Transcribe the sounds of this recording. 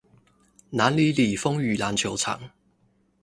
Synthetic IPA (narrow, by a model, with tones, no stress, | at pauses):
naː˨˥nliː˨˥liː˨˩fʊ˥ŋjyː˨˩laː˨˧nt͡sʰjo˨˥wt͡sʰa̰ː˨˩ŋ